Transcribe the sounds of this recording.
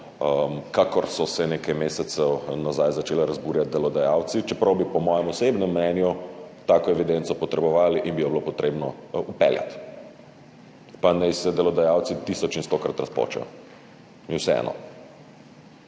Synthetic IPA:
mkakɔɾsɔsɛnekajmeːsɛt̪sɛwnazajzat͡ʃelɛɾazbuːɾjat̪̚d̪ɛlɔd̪ajawt̪sit͡ʃɛpɾɐwbipɔmɔjɛmɔsebnɛmːnɛnjut̪akɔɛʋid̪ent̪sɔpɔt̪ɾɛbɔʋaːliʔinbijɔblopɔt̪ɾeːbnɔupɛ̰lja̰t̪ | panɛjsɛd̪ɛlɔd̪ajawt̪sit̪isɔt͡ʃinst̪okɾat̪ɾaspo̰ːt͡ʃɛ̰ | iwsɛɛ̰nʔɔ̰

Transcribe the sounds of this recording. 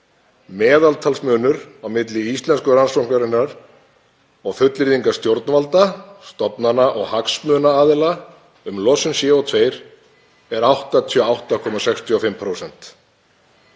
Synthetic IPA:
mɛːðalt̪ʰalsmœːnʏɾawmɪt̪lɪist̪lɛnskʏransɔwhknaɾɪnːaɾ̥ | ɔɣfʏt̪lɪɾðiŋkast̪jowɾt̪nvalt̪ast̪ɔpnanaʔɔɣhaksmœːnaaːðɪla | ʏmlɔsʏnsjɛɔt̪ʰveːjɾ̥ | ɛɾawht̪at̪ʰiɔawht̪akʰɔːmasɛxst̪ʰiɔfɪmpʰɾowsɛn̥t̪

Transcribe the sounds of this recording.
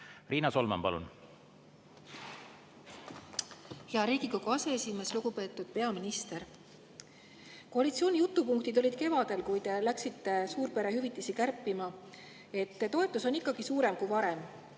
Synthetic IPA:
riːnɑso̞lmɑ̰mpɑ̰lṵn | heɑɾiːɡiɡo̞ɡuɑse̞esʲime̞sluɡ̥upe̞ːt̪ːˑud̪̥̚pe̞ɑminist̪e̞ɾ | ko̞ɑlit̪sio̞ːnʲijut̪ːˑupuŋk̚t̪id̪o̞lʲid̪̥̚ke̞vɑd̪̥e̞lkujd̪̥elæksit̪ːe̞suːɾpe̞ɾehyvit̪ːˑisikærpːˑimɑ | e̞t̪ːt̪ːo̞e̞t̪ːˑuso̞nikːˑɑɡ̥isuːɾe̞mkujvɑɾe̞m

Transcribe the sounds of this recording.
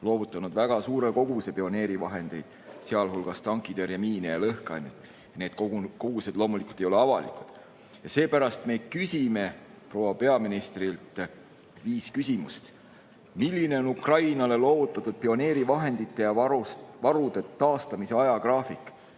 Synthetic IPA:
lo̞ːvut̪ˑːɑnud̪væɡ̥ɑsuːɾe̞ko̞ɡ̥use̞pio̞ne̞ːɾivɑɦe̞nd̪̥e̞jd̪̥seɑlɦulɡ̥ɑst̪ɑŋkːˑid̪eɾjɑmiːnejɑlɤhkɑ̰jnːet̪ | jɑne̞ːd̪̚koko̞ɡ̥use̞d̪lo̞ːmulikult̪ejo̞le̞ɑvɑ̰lḭkˑu̥d̪̥ | jɑse̞ːpæɾɑst̪me̞kysʲime̞ | pro̞ːwɑpe̞ɑminist̪rilt̪ˑ | viːskysʲimust̪ | milʲːine̞o̞nukrɑjnɑle̞lo̞ːvut̪ːˑɑt̪ːˑud̪̥̚pio̞ne̞ːɾivɑɦe̞nd̪it̪ːe̞jɑuvɑɾud̪̥e̞t̪ɑːst̪ɑmise̞ɑjɑkrɑːfikːˑ

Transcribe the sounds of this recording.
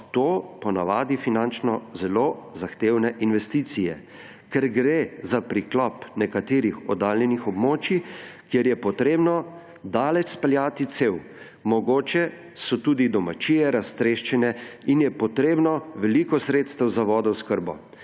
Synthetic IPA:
t̪oːpɔnaʋaːd̪ifinant͡ʃnɔzɛlozaxt̪eːwnɛʔinʋɛst̪iːt̪sijɛ | kɛɾɡɾezapɾiklɔpnɛkat̪eːɾixɔd̪aːlnɛnixɔbmoːt͡ʃikjeɾjɛpɔt̪ɾeːbnɔ | d̪aːlɛt͡ʃspɛljaːt̪it̪sew | mɔɡoːt͡ʃɛ | sɔt̪uːd̪id̪ɔmat͡ʃijɛɾast̪ɾeʃt͡ʃɛnɛinjɛpɔt̪ɾeːbnɔʋɛlikɔsɾeːt̪st̪ɛwzaʋɔːd̪ɔskəɾbɔ

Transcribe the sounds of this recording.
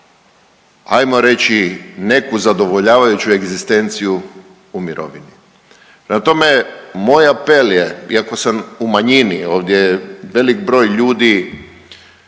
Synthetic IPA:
a̰jmo̞ɾe̞t͡ɕine̞kuzad̪o̞ʋo̞ʎaːʋajut͡ɕue̞ɡzist̪e̞nt̪siju | umiɾʔo̞̰ʋini | pɾemat̪o̞memo̞japeljeiako̞samumaɲinio̞ːʋd̪jeʋe̞likbɾo̞jʎuːd̪i

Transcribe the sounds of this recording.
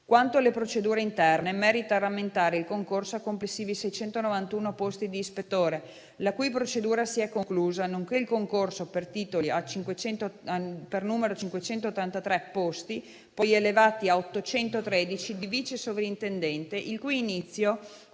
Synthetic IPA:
kwant̪olepɾot͡ʃed̪uːɾeint̪ɛrnemɛːɾit̪aramːent̪aːɾeilkoŋkorsoakːomplesːiːvisɛjt͡ʃɛnt̪onovant̪uːnopost̪id̪iːspet̪ːoːɾe | lakujp̬ɾot͡ʃed̪uːɾasiɛkːoŋkluːzanoŋkeilkoŋkorsopert̪iːt̪oliat͡ʃiŋkwet͡ʃɛnt̪oapernuːmeɾot͡ʃiŋkwet͡ʃɛnt̪ot̪ːant̪at̪ɾɛpːost̪i | pɔjelevaːt̪iaot̪ːot͡ʃɛnt̪ot̪ɾɛːd̪it͡ʃid̪iviːt͡ʃesovɾint̪end̪ɛnt̪eʔilkujːnit̪sːjo

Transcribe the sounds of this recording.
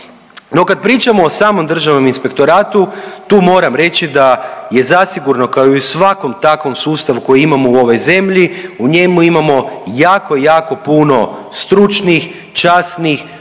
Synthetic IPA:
no̞kad̪̚pɾiːt͡ʃamo̞ːsaːmo̞md̪r̩ʒaʋno̞minspe̞kt̪o̞ɾaːt̪ut̪uːmo̞ːɾamɾe̞t͡ʃid̪aje̞zasiɡuɾno̞kaoisʋako̞mt̪akʋo̞msuːst̪aʋuko̞jiimamouo̞ʋo̞jze̞mʎiuɲe̞muimamo̞jaːko̞ijaːko̞puno̞st̪ɾut͡ʃnix | t͡ʃasnix

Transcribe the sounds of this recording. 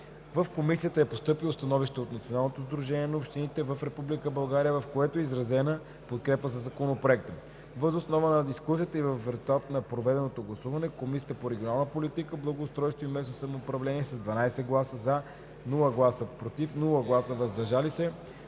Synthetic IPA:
vəfkomisijət̪əɛpost̪ɤpilˠost̪ɐnɔviʃt̪ɛot̪nɐt̪sionalˠnot̪ozd̪ɾuʒɛniɛnɐopʃt̪init̪ɛvəfɾɛpublikəbɐlˠɡaɾijəvɐfkoɛt̪oɛizɾɐzɛnə | pot̪̚kɾɛpəzɐzɐkonopɾoɛk̚t̪ə | vəzosnɔvənɐd̪iskus̬ijət̪əivəfɾɛzulˠt̪at̪ənɐpɾovɛd̪ɛnot̪oɡlˠɐsuvɐnɛkomisʲiəəpoɾɛɡʲionalˠnəpolit̪ikəblˠəɡoʊst̪ɾɔjst̪voimɛsosɐmoːpɾɐvlɛniɛsɐzd̪vɐnajsɛɡlˠasəza | nulˠəɡlˠasəpɾot̪ifnulˠəɡlˠasəvɐzd̪ɐɾʒalisɛ

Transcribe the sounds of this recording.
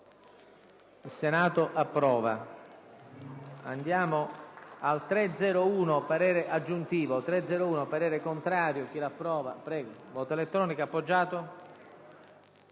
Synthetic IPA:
ilsenaːt̪oʔapːɾɔːva̰ | a̰nd̪jaːmoalt̪ɾɛd̪zɛːɾouːnopaɾɛːɾeʔad͡ʒːunt̪iːvot̪ɾɛd̪zːɛːɾouːnopaɾɛːɾekont̪ɾaːɾjok̟ilapːɾɔːva̰pɾɛːɡovɔːt̪oelet̪ːɾɔːnikapːod͡ʒːaːt̪o

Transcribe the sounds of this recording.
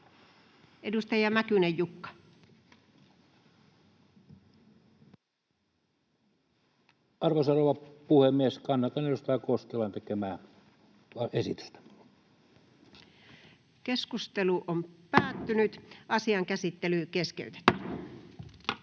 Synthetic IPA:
ʔedust̪ɑjɑmækynejjukːɑ̥ | ʔɑrʋosɑroʋɑpuhemmieskɑnːɑt̪ɑnejost̪ɑˑːkoskelːɑnt̪ekemæː | ɑesḭt̪y̥st̪æ̥ | keskust̪eluʔompæːt̪ːynyt̪ʔɑsiɑŋkæsit̪ːelykeskḛyt̪e̥t̪ːy̥

